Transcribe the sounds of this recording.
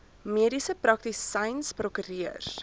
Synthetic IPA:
miəɾisəprɐk̚tisɐjnsprɔkyɾiər

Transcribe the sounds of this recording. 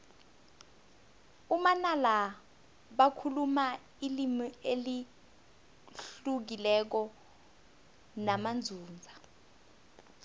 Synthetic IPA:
umanala | ɓakʰuluma | ilimieli | ɬuk̬ilɛk̬ɔ | namand͡zʱuːnd͡zʱa

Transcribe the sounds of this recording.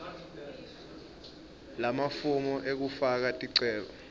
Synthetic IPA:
lamafumɔʔek̬ufak̬atʼiǀɛːɓɔ

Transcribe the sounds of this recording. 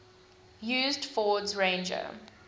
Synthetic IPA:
jʉːzdfɔːdzɹẽɪ̃nd͡ʒə̰

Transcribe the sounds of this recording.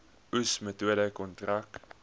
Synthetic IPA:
usmətuəɾəkɔntrak

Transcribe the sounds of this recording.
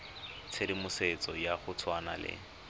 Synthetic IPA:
t͡sʰedimʊset͡sɔjaχʊt͡sʰwana̰lɪ̰

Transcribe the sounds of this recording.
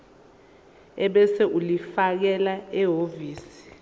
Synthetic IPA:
ɛɓɛsɛʔulifak̬ɛlaɛɦoviːsi̥

